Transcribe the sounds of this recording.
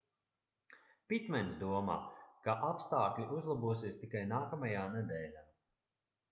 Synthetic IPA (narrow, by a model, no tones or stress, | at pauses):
pit̪mɛnsd̪uɔma̰ːkaʔapst̪aːklʲiʔuzlˠabuɔsiːst̪ikajnaːkamajaːnɛd̪ɛːlʲaː